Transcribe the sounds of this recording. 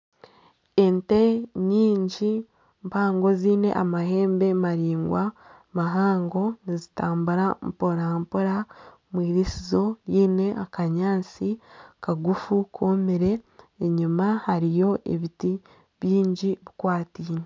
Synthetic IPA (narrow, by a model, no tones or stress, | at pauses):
ente̞ɲiːɲɟi | mpaːŋɡo̞ziːne̞̰ʔamaɦe̞ːmbe̞maɾiːŋɡwa | maɦaːŋɡo̞nizitaːmbuɾampoɾampoɾa | mwiːɾisizo̞jiːne̞ʔakaɲaːt͡sikaɡufukʰomeɾe̞ː | ɲumahaɾijo̞ʔḛβiti | βjiːɲɟiβikwaːtiːɲe